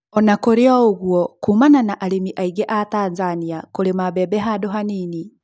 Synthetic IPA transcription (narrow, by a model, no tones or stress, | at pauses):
ɔnakoɾeɔoɣwɔkumananaʔaɾemiʔaiɣɛʔatanzaniakoɾemabɛbɛɦadoɦanini